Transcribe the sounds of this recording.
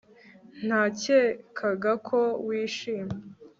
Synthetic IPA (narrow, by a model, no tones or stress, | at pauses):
n̥haːceːkʰaɡakʰo̞wiːʃiːme